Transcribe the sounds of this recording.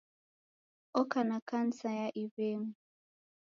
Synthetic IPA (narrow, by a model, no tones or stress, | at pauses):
ɔkanakan̩sajaʔiβeŋu